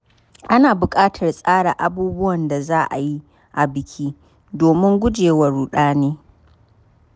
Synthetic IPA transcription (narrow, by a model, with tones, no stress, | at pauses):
ʔa˦naː˨bʊ˨kʼaː˦tʰɐ˨rsʼaː˦ɽa˨ʔa˨buː˦bʊ˦wɐ˨nda˨zaː˦ʔa̰˨ji˦ | ʔa˨bɪ˨kʲʰiː˦ | doː˨mɪ˦ŋɡʷʊ˦d͡ʒeː˨wɐ˨ɽuː˨ɗaː˦neː˦